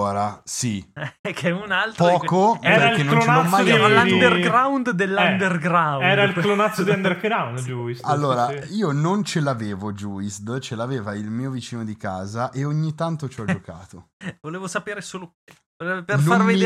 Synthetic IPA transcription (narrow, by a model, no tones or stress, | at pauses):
oːɾasiɛkʰɛunalt̪pɾɔːkoɛɾailkennõnnot͡ʃneaɔmːajalad̪erɡɾawnd̪d̪elːaɛnd̪erɡɾawɛːɾailklonat̪sod̪iand̪eɾkɾawnd̪d͡ʒuisalːoːɾaiːonont͡ʃelaveːvod͡ʒuːist̪t͡ʃelaveːvailmiːovit͡ʃiːnod̪ikaːzaʔeoɲːit̪ant̪ot͡ʃd͡ʒɔoka̰ːt̪ovoleːvosapeːɾesoːloke | pernoamrvemi